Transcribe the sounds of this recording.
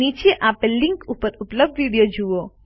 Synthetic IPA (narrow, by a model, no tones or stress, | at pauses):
iːt͡ʃeʔaːpelɪ̃ŋkuːpəɾʊpləb̚d̪ʋiːɖijod͡ʒʱuʋoː